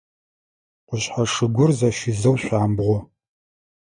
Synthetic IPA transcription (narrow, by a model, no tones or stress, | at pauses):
qʷʊɕħaʂɨɡʷʊrzɐʃizɐwɕʷaːmbʁʷɔ